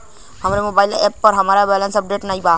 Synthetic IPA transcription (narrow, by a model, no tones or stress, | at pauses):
hʌmɾemobajlepːʌɾɦʌmɾabɛlənsʌp̚ɖeʈnəjba